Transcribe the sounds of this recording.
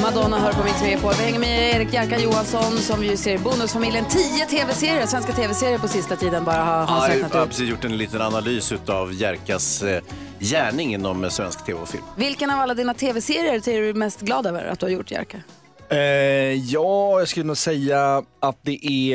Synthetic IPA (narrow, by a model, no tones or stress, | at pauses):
mad̪ɔnːaɦœːɾpɔmɪt̪ʰːmepʰɔvɪhɛŋːəɾmɛeːɾɪkjæɾkajuːansɔnsɔmjɵseːɾbuːnɵsfamɪljənt̪ʰiːət̪ʰeːvɛseːɾɪəsvɛnskat̪ʰeːvɛseːɾɪəɾpɔsɪst̪at̪ʰiːd̪ənbɑːɾahahaɛnt̪ːpʰɾɛsiːsjʊ̥ʈːɛnliːt̪ənanalyːsʉ̟ːt̪avjæɾkas | jæːɳɪŋɪnːɔmsvɛ̰nskt̪ʰḛːvɛfɪ̰lmvɪlkənavalːad̪iːnat̪ʰeːvɛseːɾɪjəɾsɛɖɵmɛst̪ɡlɑːd̪øːvə̰ɾa̰t̪̚d̪ɵhaɾjʊʈːjæ̰ɾka | jɑːjɑskɵlɛnuːɡsɛjːaat̪̚d̪ɛʔæ